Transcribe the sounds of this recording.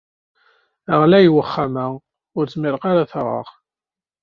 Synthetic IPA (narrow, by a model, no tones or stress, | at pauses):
əʁlæjwəχːamæ | ʊɾt͡sːmɪɾqaɾaθʁə̰ʁ